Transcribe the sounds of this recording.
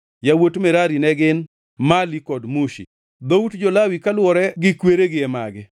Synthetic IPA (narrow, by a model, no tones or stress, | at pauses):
jawotmɛɾaɾinɛɡɪn | malikɔdmuʃḭ | d̪outd͡ʒɔlawikalwɔɾɛɡɪkweɾeɡɪɛma̰ɡɪ